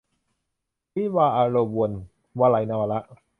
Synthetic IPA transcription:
pi˦˥˩waː˧ʔa˧ɾo˧wu˧n | waː˧la˨˦jna˧wa˧la˦˥ʔ

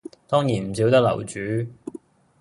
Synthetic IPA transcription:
t̪ɔː˥ŋjiː˨˩nm̩˨˩si˨˥wt̪ɐ˥k̚lɐ̰˨˩wt͡ʃyː˨˥

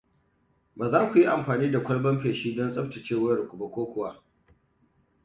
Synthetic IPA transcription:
baː˨zaː˦kʷu˨ji˦ʔa˨mɸaː˨niː˦da˨kʷɐ˦ɽbɐ˦mɸeː˨ʃiː˦dɔ˦nsʼɐ˦bta˨t͡ʃeː˦˨wɐ˦rkʷʊ˨ba˦kʷoː˦kʷʊ˨wa˦

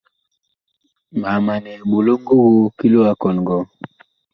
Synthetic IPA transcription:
ma˨ma˨nɛ˨bo˨lo˦ŋ˦ɡo˦ɣo˦ki˦lo˦a˨kɔ˨n˨ɡɔ˨˦

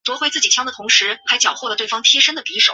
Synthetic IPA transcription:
t̪wɔ˧˥xwe˥t͡sɹ̩˥˩t͡ɕi˨˩t͡ɕʰjɑ˥ŋd̪ə˨t̪ʰʊ˧˥ŋʂɻ̩˧˥xa˧˥ɪt͡ɕjɑ˨˩ʊxwɔ˥˩lə˩wɪfɑ˥ŋt̪ʰjɛ˥ʂə˥nd̪ə˨pi˧˥ʂo˨˩˦

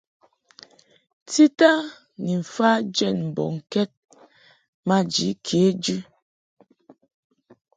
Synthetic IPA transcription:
ti˦ta˦ | ni˨ɱ̩˨fa˦d͡ʒɛ˦˨nm̩˨bɔ̰˨ŋ̩˨kɛ˦t̚ | ma˦d͡ʒi˨˦kʰe˦d͡ʒʉ˦

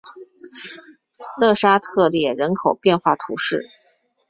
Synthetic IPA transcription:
lɤ˥˩ʂa˥t̪ʰɤ˥˧ljɛ˥˩ɻə˧˥nkʰo˨˩ʊpjɛ˥˧nxwa˥˩t̪ʰu˧˥ʂɻ̩˥˩

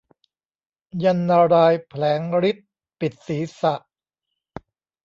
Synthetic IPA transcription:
ja˧nːaː˧ɾaː˧jpʰlɛː˩˦ŋɾi˦˥t̪̚ | pi˨˩t̪̚siː˩˦sa˨˩ʔ

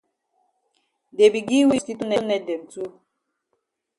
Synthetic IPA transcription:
de˨bi˨ɡi˦wi˦sti˦tu˦nɛ˦nɛ˨de˨n̩˨tu˦

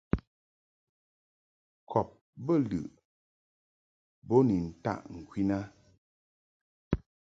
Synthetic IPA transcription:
kʰɔ˨p̚ | bə˦˨lʉ̰˨ʔ | bɔ˦ni˨n̩˨ta̰˦˨ʔŋ̩˨kwi˦na˦

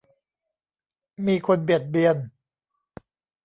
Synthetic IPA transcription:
miː˧kʰo˧nbi˨˩ət̪̚bi˧ən

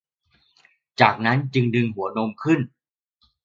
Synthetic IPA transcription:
t͡ɕaː˨˩k̚na˦˥nt͡ɕɯ˧ŋdɯ˧ŋhu˩˦əno˧mkʰɯ˧˥˩n

